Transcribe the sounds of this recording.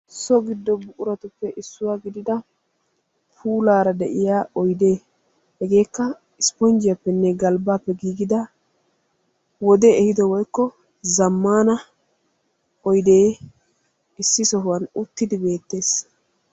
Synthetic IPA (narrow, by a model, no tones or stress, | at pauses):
sɔɡɪd̪ːɔbʊʔʊɾɐt̪ʊpːɛʔɪsːʊwaːɡɪd̪ɪd̪ɐ | pʰuːlaːɾɐd̪ɛʔɪjaːɔjd̪e̞ː | hɛɡe̞ːkːɐ | ɪspɔnd͡ʒɪjɐpːɛnːɛɡɐlbaːpːɛɡiːɡɪd̪ɐ | wɔd̪ɛɛhɪd̪ɔwɔjkːɔ | zɐmːaːnɐ | ɔjd̪eː | ɪsːɪsɔɦʊwɐnʊt̪ːɪd̪ɪbe̞ːt̪ːe̞ːs